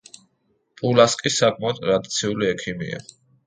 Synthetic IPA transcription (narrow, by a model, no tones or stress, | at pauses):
pʼulaskʼisakʼmaɔd̪̚ʼɾad̪it̪sʰiuliɛkʰimḭa̰